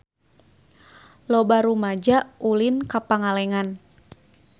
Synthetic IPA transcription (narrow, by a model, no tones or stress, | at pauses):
lɔbaɾumad͡ʒaʔulinkapaŋalɛŋan